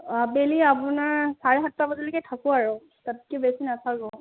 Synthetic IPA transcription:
abeliapʊnaɹsaɹɛɦatːabazilikɛtʰakʊaɹɔ | tatkɛbesinatʰakɔ

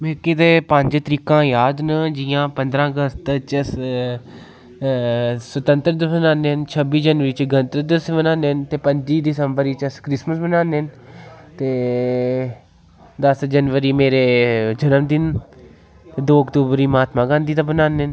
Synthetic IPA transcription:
mẽːked̪eːpə̃ɲd͡ʒt̪əɾiːkãːjaːd̪nəd͡ʒɪjãːpənd̪ɾãːəɡəst̪t͡ʃəs | sət̪ə̃nt̪əɾd̪əsbənaːneːənt͡ʃʰəbiːd͡ʒənʋəɾiːt͡ʃɡənt̪əd̪əsbənãːneːənt̪eːpəɲd͡ʒiːd̪ɪsəmbəɾiːt͡ʃəskɾɪsməsbənaːneːnt̪eː | d̪əsd͡ʒənʋəɾiːmeːɾeːd͡ʒənəmd̪ɪn | t̪ed̪oːəkt̪uːbəɾiːmaːt̪mãːɡãːnd̪iːt̪ãːbənaːnen

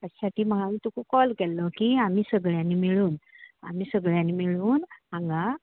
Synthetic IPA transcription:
əɕsaʈiːməɡamit̪ukɔkɔlkɛlːɔkiam̤isəɡɭjãnːimiɭuːna̰m̤isəɡɭjãnːimiɭuːnãŋɡa

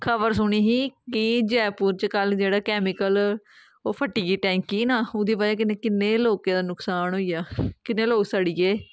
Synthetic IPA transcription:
kʰəbəɾsʊɽ̃iːɦiːkɪd͡ʒɛːpʊːɾt͡ʃəkəld͡ʒeːɽaːkɛːmɪkəl | oːpʰəʈiːɡiːʈɛ̃ːŋkiːnãːʊd̪iːbad͡ʒaːk̬ɪneːkɪnːeːloːkẽːd̪aːnʊksaːnɦoːijaːkɪneːloːksəɽijeː

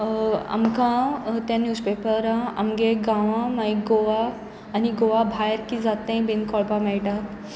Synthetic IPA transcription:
a̰mkãt̪jãnjuːspepəɾãa̰mɡeɡãʋãmaiɡoʋaː | niɡoʋabʱajɾkid͡zat̪ẽbinkʰɔɭpamɛɭʈak̪

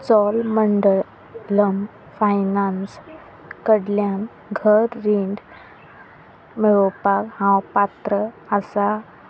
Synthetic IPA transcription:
t͡sɔlməɳɖəɭ | ləm | fajnans | kəɽljan | ɡʱəɾːiɳɖ | meɭopakɦãwpat̪ɾəəsa

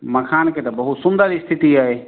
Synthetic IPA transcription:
mɐkʰaːnkʰeːt̪ɐbɐɦut̪sʊ̃nd̪əɾist̪ʰɪt̪iaːɦeː

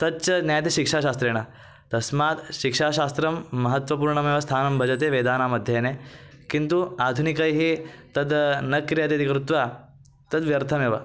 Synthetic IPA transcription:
t̪ɐd̪̚t͡ɕɐnjajt̪eɕikʂaːɕaːst̪ɾeːɽ̃a | t̪ɐsmaːt̪ʃikʂaːɕaːst̪ɾɐmːɐɦət̪ʋɐpuːɾɳɐmeːʋɐst̪ʰaːnɐmbʱɐd͡ʑɐt̪eʋed̪aːnamɐd̪ʱjenekint̪uad̪ʱunikajɦiːt̪ɐd̪nɐkɾijad̪et̪ikɾut̪ʋa | t̪ɐd̪ʋjɐɾt̪ʰɐmeːʋa

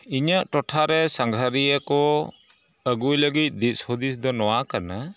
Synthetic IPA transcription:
iɲəʔʈɔʈʰaɾɛsaŋɡʱaɾijəkɔ | əɡujləɡit̪̚ˀd̪it̪̚sɔd̪is̬d̪ɔnɔwakana

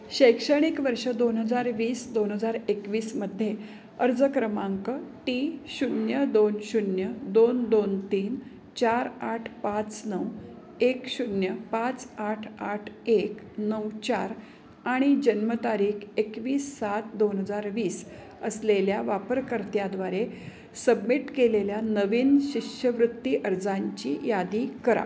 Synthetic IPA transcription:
ɕəjkʂəɽ̃ikʋəɾʂəd̪onɦəd͡zaɾʋiːsd̪onɦəd͡zaɾekʋiːsməd̪ʱːje | əɾd͡zəkɾəmãŋkəʈiɕunjəd̪onɕunjəd̪ond̪ont̪iːn | t͡ɕaɾaʈʰpat͡snəw | ekɕunjəpat͡saʈʰaʈʰek | nəwt͡ɕaɾ | aɽ̃id͡ʑənmət̪aɾiːkʰekʋiːsːat̪̚d̪onɦəd͡zaɾʋiːs | əsleljaʋapəɾkəɾt̪jad̪ʋaɾe | səbmiʈkeleljanəʋiːnɕikɕəʋɾut̪ːiʔəɾd͡zaɲt͡ɕijad̪ikəɾa̰

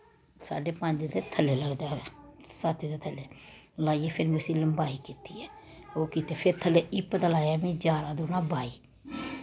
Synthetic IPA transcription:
sa̰ːɖeːpə̃ːɲd͡ʒed̪eːt̪ʰəlːeːləɡd̪aːsaːt̪id̪eːt̪ʰəlːeː | laːiɛːpʰɪɾmʊsɪləmbaːiːkiːt̪iːɛː | oːkiːt̪eːpʰɪɾt̪ʰəlːeːɪpd̪aːlaːjaːmĩːd͡ʒaːɾãːd̪oːnãːbaːiː

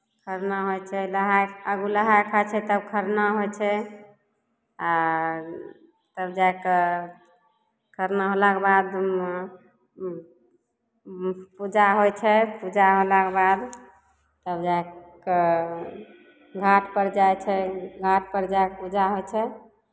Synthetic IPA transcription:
kʰəɾnaɦojt͡ʃʰɛləɦajəɡuləɦajkʰat͡ʃʰɛt̪əbkʰəɾnaɦojt͡ʃʰɛ | a | t̪əbd͡ʒajk | kʰəɾnaɦolakbad̪ | pud͡ʒaɦojt͡ʃʰɛpud͡ʒaɦolakebad̪ | t̪əbd͡ʒaeke | ɡʱaʈʰpəɾd͡ʒajt͡ʃʰɛɡʱaʈʰpəɾd͡ʒaekpud͡ʒaɦojt͡ʃʰɛ

